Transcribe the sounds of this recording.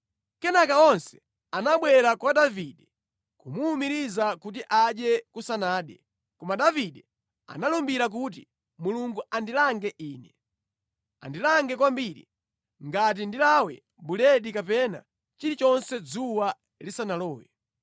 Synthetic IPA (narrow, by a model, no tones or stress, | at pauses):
kɛnakaɔnsɛ̥ | anaɓwɛɾakwaɗaviɗɛ | kumuːmiɾizakut̬iʔaɗjɛkusanaːɗɛ | kɔmaɗaviɗɛ | a̰nalumbiɾak̬ut̬i | muluŋɡuandilaŋɡɛʔiːnɛ | a̰ndilaŋɡɛkwambiɾḭ | ŋɡat̬indilawɛ̰ | bulɛɗikapɛna̰ | t͡ʃiɾit͡ʃɔnsɛd͡zuwa | lisanalɔːjɛ